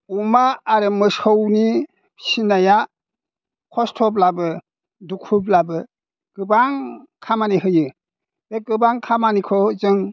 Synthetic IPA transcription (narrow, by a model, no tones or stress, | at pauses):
umaːɾɯmɯsowni | sinaja | kʰɔstʰɔblabɯ | dukʰup̬labɯ | ɡ̥ɯbaŋkʰamaniɦɯjɯ | beɡɯbaŋkʰamanikʰɔzɯŋ